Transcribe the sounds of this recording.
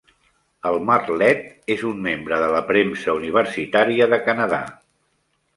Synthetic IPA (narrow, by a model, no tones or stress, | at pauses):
əlˠmarlɛt̪ezumːembɾəðələpɾemsəuniβ̞əɾsit̪aɾiəðəkənəða